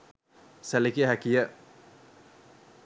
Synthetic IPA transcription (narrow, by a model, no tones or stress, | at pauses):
sælikiəɦækijə